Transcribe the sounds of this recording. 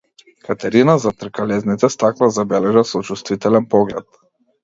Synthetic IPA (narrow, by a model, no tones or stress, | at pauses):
kat̪ɛɾinazat̪r̩kalɛznit̪ɛst̪aklˠazabɛlɛʒasɔt͡ʃust̪vit̪ɛlɛnpɔɡlɛt̪̚